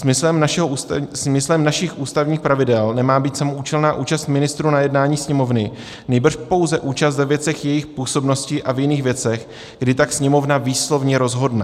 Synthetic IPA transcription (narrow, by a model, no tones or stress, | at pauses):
sɪslɛmʃɛɦosmɪslɛmnaʃɪxʔuːst̪avɲiːxpɾavɪdɛlnɛmaːbiːt̪samoʔuːt͡ʃɛlnaːʔuːt͡ʃast̪mɪnɪst̪ɾuːnajɛdnaːɲiːsɲɛmo̞vnɪ | nɛjbr̩ʃpo̞wzɛʔuːt͡ʃast̪vɛvjɛt͡sɛxjɛjɪxpuːso̞bno̞scɪʔavjɪniːxvjɛt͡sɛx | ɡdɪt̪aksɲɛmo̞vnaviːslo̞vɲɛɾo̞zɦo̞dnɛ